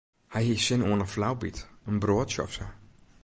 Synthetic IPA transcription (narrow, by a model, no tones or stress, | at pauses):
hajhisɪnoənəflawbitənbroːtʃɔ̰fsə